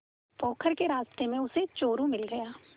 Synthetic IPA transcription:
pɔːkʰəɾkeɾaːst̪emẽʊset͡ʃoːɾũmɪlɡɐjaː

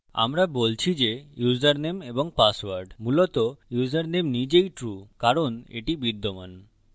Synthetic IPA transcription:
a̰mɾabolt͡ɕʰid͡ʑejuzaɾnemeboŋpaswaɾɖmulɔt̪ojuzaɾnemnid͡ʑejʈɾukaɾonḛʈibid̪ʱːoman

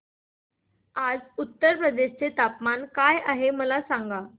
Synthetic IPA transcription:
ad͡zut̪ːəɾpɾəd̪eɕt͡set̪apmankajaɦeməlasaŋɡa

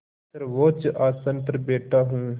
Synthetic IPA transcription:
sɐɾʋoːt͡ʃʔaːsə̃nt̪ɾəbeːʈaːɦũː

